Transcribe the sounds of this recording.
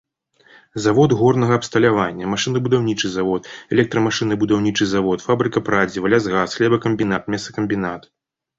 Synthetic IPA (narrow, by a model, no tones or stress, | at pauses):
zavɔd̪ɣɔrnɐɣɐɐpst̪ɐlʲavanʲːɐmaʂɨnɐbud̪awnʲit͡ʂɨzavɔt̪ɛlʲɛk̚t̪ɾɐmaʂɨnɨbud̪awnʲit͡ʂɨzavɔt̪fabɾɨkɐpɾad͡zʲivalʲasɣasxlʲɛbɐkɐmʲbʲinat̪̚mʲɛsɐkɐmʲbʲinat̪